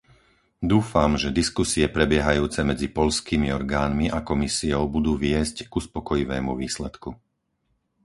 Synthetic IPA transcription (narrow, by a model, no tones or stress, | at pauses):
d̪uːfamʒɛd̪iskusiɛpɾɛbɪɛɦajuːt͡sɛmɛd͡zipɔʎskiːmiɔɾɡaːnmiʔakɔmisiɔʊbud̪uːʋɪɛzcɡuspɔkɔjiʋɛːmṵʋiːslɛt̪ku